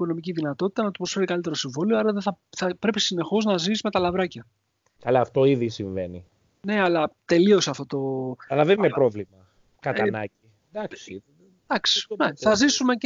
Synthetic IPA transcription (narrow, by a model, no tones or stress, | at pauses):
iko̞no̞miciðinɐt̪o̞t̪i̥t̪ɐnɐt̪u̥pɾo̞sfe̞ɾikɐlit̪e̞ɾosiɱvo̞lioɐɾɐðeθɐθɐpɾe̞pisine̞xo̞znɐziizme̞t̪ɐlɐvɾɐcɐ | kɐlɐːft̪o̞iðisiɱve̞ni | ne̞ɐlɐt̪e̞lio̞seɐft̪o̞t̪o̞ɐlɐðeninepɾo̞vlimɐ | kɐt̪ɐnɐci | d̪ɐks | d̪ɐksi̥neθθɐzisume̞